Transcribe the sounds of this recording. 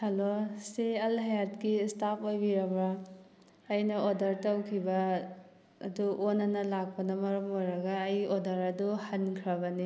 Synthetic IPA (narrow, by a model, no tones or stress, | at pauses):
hɐloseɐlɦaejat̚kistapʰojbiɾɐbɾɐː | jnɐodɐɾtɐwkʰibɐ̰ː | duʔonːɐnɐlak̚pɐnɐmɐɾɐmojɾɐɡɐːjodɐɾɐduhɐnkʰɾɐbɐni